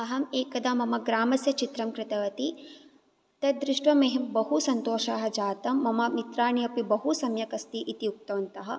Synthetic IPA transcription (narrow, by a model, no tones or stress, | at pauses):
ɐɦɐmeːkɐd̪aːmɐmɐɡɾaːmɐsjɐt͡ʃit̪ɾɐmkɾɪt̪ɐʋɐt̪i | t̪ɐd̪ɾɪʂʈʋɐmeɦembɐɦusɐnt̪oːʃaːɦɐ̆d͡ʒaːt̪ɐmːɐmɐmit̪ɾaːɳiɐpibɐɦusɐmjɐkɐst̪iʔit̪ijuk̚t̪ɐʋɐnt̪ɐɦɐ̆